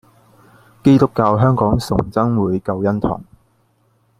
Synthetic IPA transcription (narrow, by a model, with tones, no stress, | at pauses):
ke˥jt̪ʊ˥kːaː˧wɦœː˥ŋkɔː˨˥ŋsʊ˨˩ŋt͡sɐ˥ŋwuː˨˧jkɐ˧wjɐ˥nt̪ʰɔ̰ː˨˩ŋ